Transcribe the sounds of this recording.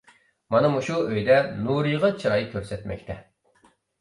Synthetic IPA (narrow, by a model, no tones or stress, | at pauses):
mɑnɨmuʃuøjd̪ɛnuɾɨjʁɑt͡ʃʰɨɾɑjkʲʰøɾsɛt̪mʔɛ̰kʲt̪ʰɛ